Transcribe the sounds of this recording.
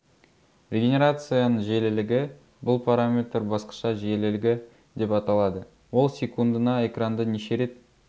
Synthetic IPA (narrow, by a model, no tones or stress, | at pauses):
rʲeɡʲenʲeɾat̪sɨjanəɴʒelɪlɪɡʲɪ | bʊlˠpʰaɾamʲe̞t̪rbɑsqɑ̥ʃɑʒelɪlɪɡʲɪ | d̪e̞pɑt̪ɑlˠɑd̪ə | wo̞lˠsʲe̞kund̪ənɑe̞krand̪əneʃe̞ɾe̞t̪̚